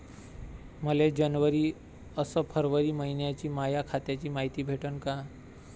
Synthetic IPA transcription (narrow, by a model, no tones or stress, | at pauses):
məled͡ʑənʋəɾiː | əsəpʰəɾʋəɾiːməɦinjat͡ɕiːmajakʰat̪jat͡ɕiːmaɦit̪iːbʱeʈənka